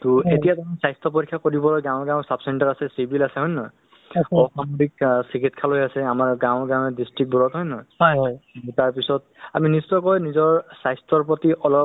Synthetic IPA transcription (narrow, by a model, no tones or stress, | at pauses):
tuetijatamisajstɔpoɹikʰːjakoɹibɔlɔjɡãw̃ɡãw̃sapsɛntaɹasɛsibʱilasɛɦɔjnɔj | ɔsamodik̚sikʰitkʰalojasɛamaɹɡãʊ̃ɡãw̃ɛdistɹik̚bɔɹɔtɦɔjnɔjɔjtaɹp̬isɔt̚aministɔkɔjnizɔɹsajstɔɹpɹotiʔɔlɔ